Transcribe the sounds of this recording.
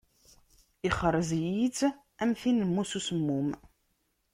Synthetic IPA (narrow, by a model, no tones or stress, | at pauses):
iχəɾˤːzjit͡s | æmθinəmːususəmːum